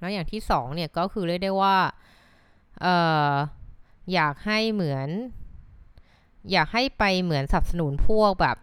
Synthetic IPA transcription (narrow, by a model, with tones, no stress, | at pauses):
lɛ˦˥wjaː˨˩ŋt̪ʰiː˥˩sɔː˩˦ŋni˥˩ɐkɔː˥˩kʰɯː˧ɾɯ˥˩əjdaː˥˩jwaː˥˩ | ʔɤː˨˩ | jaː˨˩k̚ha˥˩jmɯ˩˦ən | jaː˨˩k̚ha˥˩jpa˧jmɯ˩˦ənsa˨˩p̚sa˧nu˩˦npʰu˥˩ək̚bɛ̰ː˨˩p̚